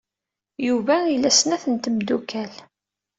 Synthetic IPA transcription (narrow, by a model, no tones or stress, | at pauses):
juvæilːæsənæθənt̪əmd̪ukæl